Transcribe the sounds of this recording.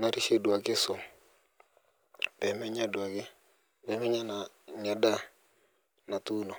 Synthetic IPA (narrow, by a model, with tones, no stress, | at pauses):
na˦ɾi˦ʃe˦dwa˨kɪ˦sʊ˨ | bɛ˨mɛ˦ɲa˦dwa˨kɪ˦ | bɛ˨˦mɛ˦ɲa˦na˨ | ɲa˨da˦ | na˨t̪u˦no˨